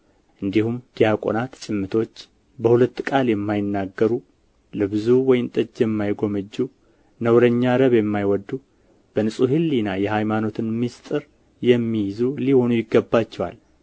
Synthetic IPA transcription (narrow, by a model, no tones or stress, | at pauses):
ʔɨnd̪ihumd̪̥ijakʼo̞̰nat̪t͡ʃʼɪmːɨt̪ʰo̞t͡ʃː | bəhulət̪ːkʼaljɛmːajɪnːaɡːəɾu | lɨβɨzuwɔjɪnt̪ʼɨd͡ʒjɛmːajɡo̞məd͡ʒːu | nəwɾəɲːaɾəβjɛmːajwɔd̪ːu | b̥ənɨsʼuɦɨlːinajɛhajmano̞t̪ʰɨnmist̪ʼɨɾ | jɛmːijɪzuliho̞nujɪɡːəbːat͡ʃːɛwa̰l